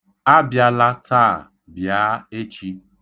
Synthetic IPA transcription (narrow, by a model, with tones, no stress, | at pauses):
a˦bja˨la˦tʰaː˦˨ | bjaː˨˦e˦t͡ʃi˦